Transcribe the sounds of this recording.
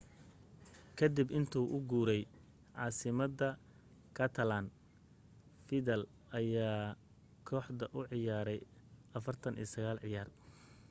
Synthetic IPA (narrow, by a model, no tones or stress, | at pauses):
kʰɐd̪ibɪnt̪ʰuːʔʊɡuːɾɛj | ʕɑːsɪmɐd̪ɐ | kʰɐt̪ʰɐlan | fɪðɐl | ɐjaː | kʰɔːħd̪ɐʔʊʕɪjaːɾɛjʔɐfɐrt̪ʰɐnʔḭːɐsɐɣaːlʕɪjaːr